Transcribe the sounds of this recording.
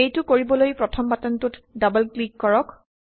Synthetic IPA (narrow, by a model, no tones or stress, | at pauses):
ejtʊkoɹibɔlojpɹɔtʰɔmbatɔntutdabəlklikːɔɹɔk